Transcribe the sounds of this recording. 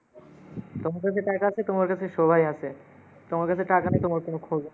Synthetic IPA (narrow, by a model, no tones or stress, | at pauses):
t̪omaɾkat͡ɕʰeʈakaat͡ɕʰet̪omaɾkat͡ɕʰeʃobʱajat͡ɕʰe | t̪omaɾkat͡ɕʰeʈakanet̪omaɾkonokʰob